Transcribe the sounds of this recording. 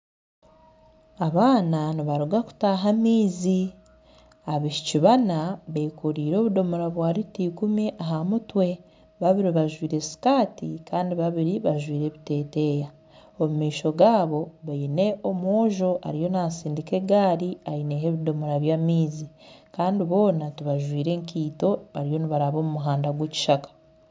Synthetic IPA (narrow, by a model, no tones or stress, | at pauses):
aβaːnaniβaɾuɡaku̥taːɦamiːzi | aβiʃiciβanaβekoɾiːɾo̞ːβudo̞muɾaβwaːɾitiːkumiʔaɦamutwe̞ | βaβiɾiβaʒwiːɾe̞si̥kaːtikaːndiβaβiɾiβaʒwiːɾe̞βite̞ːte̞ja | omumiːʃo̞ɡaːβo̞βaine̞ʔomwoːʒo̞ʔa̰ɾijo̞naːsiːndike̞ɡaːɾiaineɦe̞βido̞moɾaβjaːmiːzikaːndiβo̞ːnatuβaʒwiːɾe̞ːŋkiːto̞βaɾijo̞niβaɾaβo̞ːmumuɦaːndaɡweci̥ʃakḁ